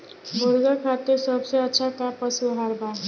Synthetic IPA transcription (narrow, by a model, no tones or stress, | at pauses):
bʱuɾɡakʰat̪esʌbseʌt͡ʃʰak̪apʌsuɦaɾba